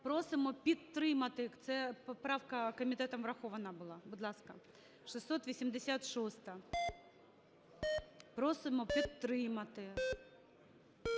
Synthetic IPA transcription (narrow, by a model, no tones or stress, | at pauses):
pɾɔsɪmɔpʲid̪t̪ːɾɪmɐt̪ɪt̪sɛpɔpɾɑwkɐkɔmʲit̪ɛt̪ɔmʋɾɐxɔʋɐnɑbʊlˠɑbʊd̪lˠɑskɐ | ʃɪsːɔt̪ʋʲisʲimd̪esʲat̪ʃɔst̪ɐ | pɾɔsɪmɔpʲid̪t̪ːɾɪmɐt̪ɪ